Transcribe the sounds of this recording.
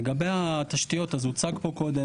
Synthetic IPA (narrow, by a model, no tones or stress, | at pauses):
ɡabejat̪aʃt̪ijo̞t̪azut͡sakpo̞ko̞d̪e